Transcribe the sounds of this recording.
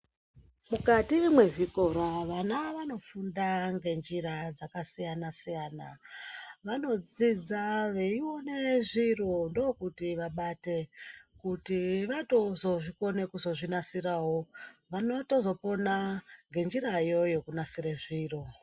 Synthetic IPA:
mukatimwe̞ʐiko̞ɾaʋanaʋano̞fundaŋɡe̞nd͡ʒiɾad͡zakasijanasijaːna | ʋano̞d͡zid͡zaʋe̞iwo̞ne̞ʐirondo̞kutiʋaɓate̞kutiʋato̞zo̞ʐiko̞ne̞kuzo̞ʐinasirawoʋano̞to̞zo̞po̞naŋɡe̞nd͡ʒiɾajo̞jo̞kunasiɾeʐiːro

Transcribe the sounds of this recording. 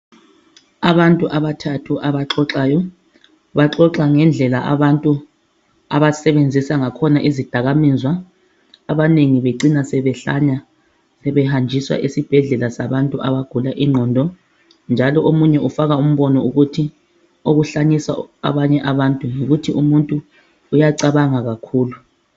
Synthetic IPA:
aβantʼuʔaβatʰatʰuʔaβaǁɔǁaːjɔ | βaǁɔǁaŋɛnd͡ɮʱɛlaʔa̰βantʼu | a̰βasɛβend͡zʱisaŋakʰɔnaʔizid̥ʱaɣamizwaː | βaneŋiβeǀinasɛβɛɬa̰ɲa | sɛβɛhand͡ʒʱiswa̰ʔesib̥ʱɛɮɛlasaβantʼuʔaβaɡ̥ʱulaʔiŋ͡ǃʱɔːndʱɔ | nd͡ʒʱalɔomuɲɛʔufaɣaum̩βɔnɔuɣutʰi | oɣuɬaɲisa̰a̰βaɲɛʔaβantʼuŋoɣutʰiumuntʼuː | jaǀaβaŋaɣakʰuːlu

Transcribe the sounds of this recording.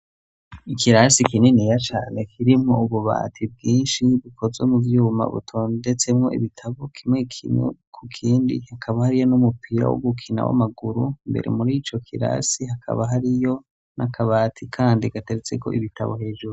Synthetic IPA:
ikʰiɾasikininijat͡ʃaːne̞kʰiɾimŋo̞uβuβa̰ːtʰibɡiːnʃiβukʰo̞zwemuvjuːma̰βṵtʰo̞ːnde̞t͡se̞mŋo̞ʔḭβitʰaβokʰimwe̞kʰimḛkʰukʰiːndḭhakʰaβahaɾijo̞numupʰiɾa̰wo̰ɡukʰina̰wa̰maɡuɾuimbe̞̰ɾe̞̰muɾit͡ʃo̞kʰiɾa̰sihakʰa̰βaɦaɾijo̞ | nʔakʰaβaːtʰikʰaːndiɡ̥ate̞ɾet͡se̞ko̞̰ʔiβitʰa̰βohe̞ːʒuɾu

